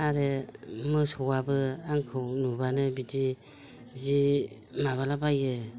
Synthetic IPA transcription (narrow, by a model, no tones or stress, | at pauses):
aɾɯmɯsɔwabɯaŋkʰɯwnubanɯbidi | zi | maβalabajɯ